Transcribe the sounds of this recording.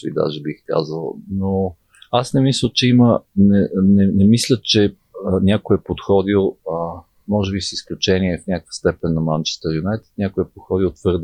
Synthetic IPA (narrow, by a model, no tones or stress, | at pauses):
vḭd̪a̰ʒɛbixka̰zəlˠno | asnɛmislʲət͡ʃɛimənɛnɛnɛmislʲət͡ʃɛ | nʲakojɛpot̪xɔd̪ilˠə | mɔʒɛbisisklʲut͡ʃɛnʲiɛfnʲakə̥kvə̥st̪ɛpɛnːɐmant͡ʃɛ̥st̪ɛɾjʊnɛt̪ə̥nʲakoɛpot̪xɔd̪ilˠt̪v̥ɤɾd̪